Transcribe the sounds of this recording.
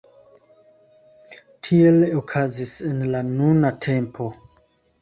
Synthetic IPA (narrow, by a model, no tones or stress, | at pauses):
tʰielokʰazisenlanunatʰempʰo̞